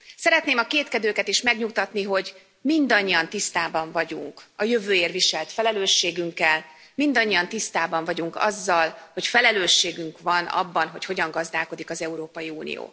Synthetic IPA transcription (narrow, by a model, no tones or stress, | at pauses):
sɛɾɛt̪neːmɒkeːt̪kɛd̪øːkɛt̪eːʃmɛɡɲukt̪ɒt̪niɦo̞ɟ | mind̪ɒɲːiɒnt̪ist̪aːbɒɱvɒɟuŋkɒjø̞vøːeːrviʃɛlt̪fɛlɛløːʃːeːɡyŋkːɛl | mind̪ɒɲːiɒnt̪ist̪aːbɒɱvɒɟuŋkɒ̰zːɒlho̞cfɛlɛløːʃːeːɡyŋkʋɒnɒ̰bːɒnɦo̞cho̞ɟɒŋɡɒzd̪aːlko̞d̪ikɒzɛuɾoːpɒjiuːnḭjo̰ː